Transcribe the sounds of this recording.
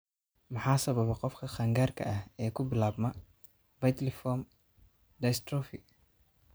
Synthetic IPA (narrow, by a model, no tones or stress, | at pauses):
mʊħaːsɐβɐβɐqɔfkʰɐχɐŋɡaːrkʰɐ̰ʔɐhɛːkʰʊbɪlaːbmɐ | vɐjt̪lɪfɔm | d̪ɐjst̪ɾɔfi